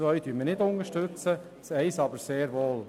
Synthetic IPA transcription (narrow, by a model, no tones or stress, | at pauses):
ʋœʏd̥̪yːmənɪd̪ʊnəʃtøt͡sə | sɛɪsɑbəɾseːɾʋoːl